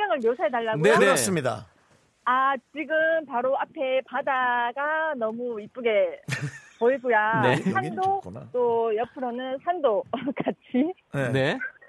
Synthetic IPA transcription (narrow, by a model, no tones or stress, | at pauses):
ɡjaŋɯɭmjosʰaɦetaɭːaɡnoeneas͈ɯmɲida̰ | at͡ɕiɡɯmpaɾoapʰe̞padaɡanʌmuip͈uɡe̞ | poiɡojaeadot͈ojʌpʰɯɾʌnɯnsʰandok͈at͡ɕʰine